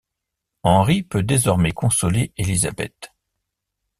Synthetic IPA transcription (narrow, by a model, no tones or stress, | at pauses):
ɑ̃ʁipød̪ezɔʁmɛkɔ̃sɔleeliza̰bɛ̰t̪